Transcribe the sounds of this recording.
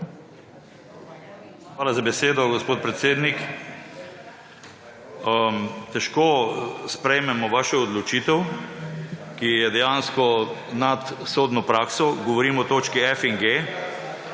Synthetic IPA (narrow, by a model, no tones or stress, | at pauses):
xʋaːlazabɛseːd̪ɔɡɔspoːt̪̚pɾɛt̪seːd̪nik | t̪ɛʃkospɾɛjmɛmɔʋaːʃɛɔd̪lɔt͡ʃiːt̪ɛw | kijɛd̪ɛjaːnskɔnat̪soːd̪nɔpɾaːksɔɡɔʋɔɾiːmɔt̪oːt͡ʃkiɛfiŋɡe